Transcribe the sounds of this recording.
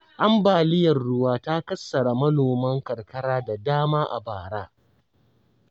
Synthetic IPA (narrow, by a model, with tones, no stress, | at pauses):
ʔa˦mbaː˨lɪ˦jɐ˨rɽʊ˦waː˦ta˦kɐ˦sːɐ˨ɽa˨mɐ˦noː˨mɐ˦ŋkɐ˨rkɐ˦ɽaː˦da˨daː˦maː˦ʔa̰˨baː˨ɽaː˦